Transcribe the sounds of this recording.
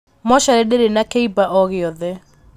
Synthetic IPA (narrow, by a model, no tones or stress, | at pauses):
mɔʃaɾɛdeɾenakeibaʔɔɣeɔðɛ